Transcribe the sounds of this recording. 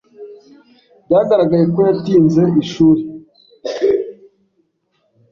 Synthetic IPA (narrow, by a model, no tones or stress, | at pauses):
dɟaɡaɾaɡajeko̞jatiːnze̞iʃuːɾe